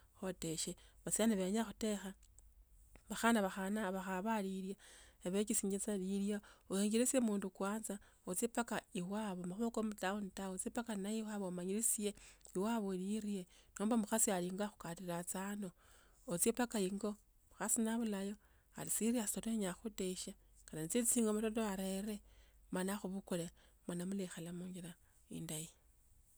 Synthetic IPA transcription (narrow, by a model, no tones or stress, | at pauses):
xoteʃeβat͡sianaβeɲaxute̞xa | βaxanaβaxanaβaxaβaliɾjaeβecisiɲit͡saliljaoheŋɡiɾisiemuːndukwaːnza | ot͡sjepakaiwaβomaxuβokomutaonitaot͡sepakanaiwaβomaɲiɾisieiwaβoliɾie̞noːmbamuxasialiŋɡaxu̥katiɾat͡sano̞ | ot͡sepakaiŋɡo̞ | muxasinaβulajo̞ | a̰lisiɾiassoleɲaxuteʃakananit͡set͡siːŋɡomatotoaɾeɾe̞manaxuβukolemanamulexalamuɲɡiɾa | ḭndaji